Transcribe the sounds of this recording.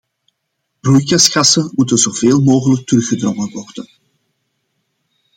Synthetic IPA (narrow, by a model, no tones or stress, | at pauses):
b̥rujkɑsxɑsənmutənzoːveːlˠmoːɣələk̚tərɵxədrɔŋənʋɔrdən